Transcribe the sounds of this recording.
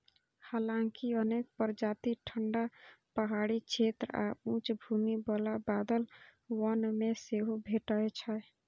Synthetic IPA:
halãŋkiənek̚pəɾd͡ʒat̪iʈʰəɳɖapəɦaɽit͡ʃʰet̪ɾa̰ũt͡ʃbʱumibəlabad̪əlwənmeseɦobʱeʈəjt͡ʃʰə

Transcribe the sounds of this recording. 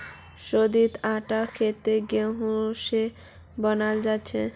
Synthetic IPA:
ʃod̪it̪aʈakʰet̪eɡeɦoʃe | bɔnald͡ʑaːɕʰe

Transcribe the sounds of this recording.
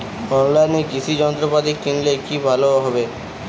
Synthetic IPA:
ɔnlajnekit͡ɕʰid͡ʑɔnt̪ɾopat̪ikːinlekibʱaloɦɔbe

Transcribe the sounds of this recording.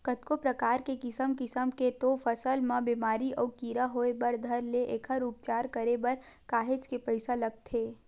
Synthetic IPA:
kɐt̪kopɾɐkaːɾkekɪsəmkɪsəmket̪ofɐsəlmãbiːmaːɾiɔːkiːɾaɦoːebɐɾd̪ʱɐɾleʔeːkʰəɾup̚t͡ʃaːɾkɐɾebɐɾkaːɦet͡ʃkepəɪsalɐɡ̚t̪ʰeː

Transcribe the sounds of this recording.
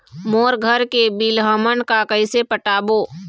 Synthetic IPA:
moːɾɡʱəɾkebilɦəmənkakəɪsepəʈaːboː

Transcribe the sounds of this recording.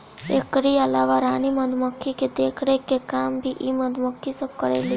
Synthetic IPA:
ekɾiəlaʋaɾaniməd̪ʱməkʰːiked̪ekʰɽekekambʱiʔiməd̪ʱməkʰːisəb̚kəɾḛli

